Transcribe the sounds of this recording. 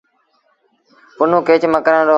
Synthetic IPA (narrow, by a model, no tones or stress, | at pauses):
pʊnũːkeːt͡ʃməkɾəːɖoː